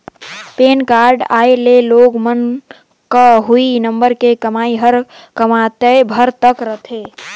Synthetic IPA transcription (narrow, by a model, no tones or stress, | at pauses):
penkaɾɖaeleloɡmən | kəɦuinəmbəɾkekəmaiɦəɾ | kəmat̪əebʱəɾt̪əkɾət̪ʰe